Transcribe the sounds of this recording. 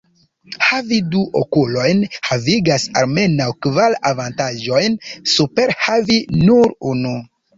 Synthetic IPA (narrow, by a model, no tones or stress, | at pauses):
haviduʔokulo̞jnhaviɡasa̰lme̞nawkvalavantaʒo̞jnsupe̞ɾhavinuɾunu